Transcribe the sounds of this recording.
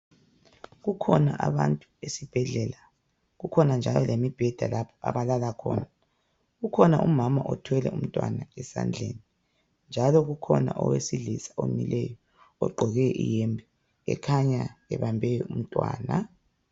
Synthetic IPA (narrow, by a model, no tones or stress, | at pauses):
ɣukʰɔnaʔaβantʼuesib̥ʱɛɮɛla | ɣukʰɔnand͡ʒʱalɔlemib̥ʱɛd̥ʱalapʰɔ̥ʔa̰βalalakʰɔːna | ɣukʰɔnaʔumamaʔɔtʰwɛlɛum̩tʼwanaɛsa̰nd͡ɮʱeni | nd͡ʒʱalɔɣukʰɔna̰ʔɔwesiɮisḁʔomilɛjɔ | ɔɡ͡ǃʱɔɣɛɛʔijɛmbʱɛ | ɛ̰kʰaɲaɛβambʱɛjɔum̩tʼwa̰ːna